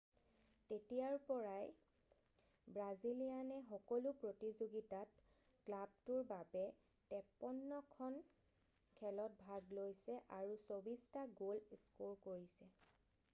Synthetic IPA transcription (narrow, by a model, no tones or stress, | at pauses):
tetijaɹpɔɹaj | bɹazilijanɛxɔkɔlupɹotizoɡitat | klab̚tʊɹbabɛ | tɛpɔnːɔkʰɔn | kʰɛlɔt̚bʱaɡlojsɛʔaɹusobistaɡolskoɹkoɹisɛ